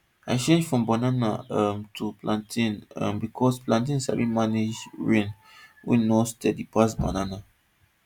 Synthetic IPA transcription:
aɪt͡ʃẽnd͡ʒfɹɔ̃mbananamtʰuplʔãntʰĩnã̰mbikʰɔsplãnt̬ĩnsa̰bĩmaned͡ʒɹẽn | wḭ̃nɔstɛdipas̬ba̰nana

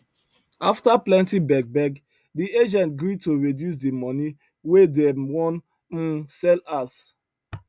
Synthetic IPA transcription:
aftaplɛ̃ntibɛɡ̚bɛɡ | diʔed͡ʒɛ̃nt̚ɡɹitoɹidjus̬dimɔni | wedɛwɔ̃n̩ | sɛlas

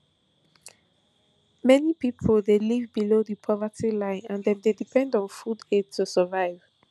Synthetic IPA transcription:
mɛnipipʰəldelivbiloðipʰɔvətilãɪ̃nãndɛ̃mdedipʰɛ̃ndɔ̃nfuded̚tʰusəvaɪv̥

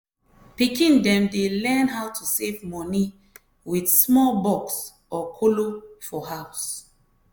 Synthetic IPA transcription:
pikĩndɛ̃mdelɛ̃nɦawtʰusevmɔni | widsmɔlbɔks | ɔkʰolofɔɦaʊs

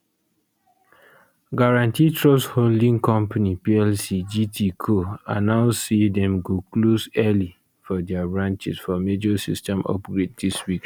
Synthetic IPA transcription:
ɡaɹãntitʰɹɔstholdĩŋkɔ̃mpanipiɛlsid͡ʒitʰikʰoãnaʊssidɛ̃mɡoklosɛli | fɔdɛabɹãnt͡ʃḭsfɔmed͡ʒɔsistɛ̃mɔ̰pɡɹed̚diswik

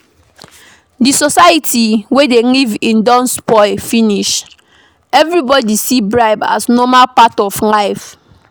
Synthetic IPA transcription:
disɔsaɪitiwedelivĩndɔ̃nspɔɪfiniʃ | ɛvɹibɔdisibɹaɪba̰snɔmalpatɔflaɪf

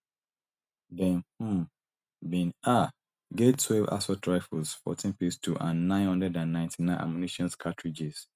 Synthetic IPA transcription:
dɛ̃nh̩m | bĩna | ɡetʰwɛva̰sɔtʰɹaɪfulsfɔ̰tʰĩnpistʰuʔãnːãɪnhɔ̃ndɹɛdãnːãɪ̃ntʰinãɪ̃nʔa̰mjuniʃɔ̃nskʰatʰɹid͡ʒes

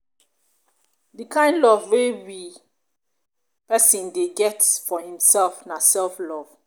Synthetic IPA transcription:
dikʰãɪ̃ndlɔvwewi | pɛsɔ̃ndeɡɛtfɔhĩmsɛlfnasɛlflɔv̥

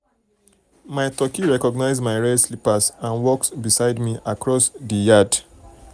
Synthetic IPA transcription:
maɪtɔkiɹɛkɔɡnaɪzmaɪɹɛdslipasãnwɔksbisaɪdmiʔakɹɔsðəjad

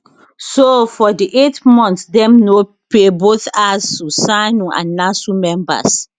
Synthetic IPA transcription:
sofɔdiʔetmɔ̃ntsdɛ̃mno | peboθastusanũʔã̰nːasumɛ̃mba̰s

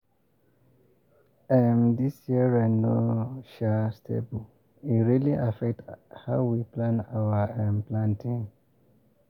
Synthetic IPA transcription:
ɛmdisjiɹɛnːoʃastʰḛbul | itɹiliʔafɛk̚thaʊwiplãnawəɛmplãntĩŋ

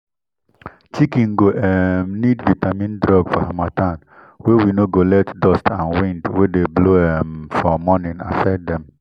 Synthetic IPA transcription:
t͡ʃikĩŋɡoʔɛmnidvitamĩndɾɔɡfɔhamatãn | wɛwinoɡolɛtdɔstãnwĩndwedebloɛmfɔmɔnĩna̰fɛdɛ̃m

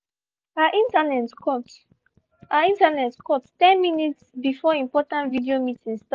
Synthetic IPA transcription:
aʔĩntanɛtkɔt | aĩntanɛtkɔttɛ̃nminitsbifɔĩmpɔtãntvidiomitĩŋst

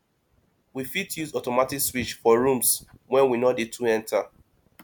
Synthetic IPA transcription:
wifitjuzɔtɔmatikswit͡ʃfɔɹũmswɛ̃nwinɔdetʰuɛ̃ntʰa

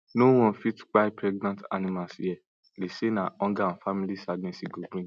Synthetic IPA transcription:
now̃ɔ̃fitk͡paipɾɛɡnãta̰nĩmasɛ | ɾesenãɔ̃ɡan̩famĩlisaɡnɛ̃siɡubɾĩ

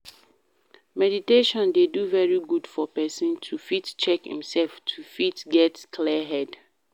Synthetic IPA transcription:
mɛditeʃɔ̃ndeduvɛɹiɡudfɔpɛsĩntʰufitt͡ʃɛkhḭ̃msɛlftʰufitɡɛtkʰlɛɦɛd

